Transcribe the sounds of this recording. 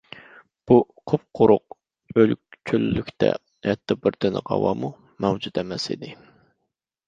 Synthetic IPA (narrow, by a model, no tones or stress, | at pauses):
b̥u | qʰop̚qʰʊɾʊq̚ | ølkʲt͡ʃʲʰylːykʲt̪ʰɛ̰ | hɛt̪ʰːbɪɾd̪ɪnɪʁɑ̰wɑmu | mɛwd͡ʒut̪ɛmɛsḭd̪ɪ